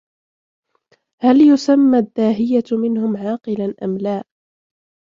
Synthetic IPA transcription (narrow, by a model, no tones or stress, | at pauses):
haljʊsamːad̪ːaːɦɪjamɪnhʊmʕɑːqɨlanʔa̰mlaː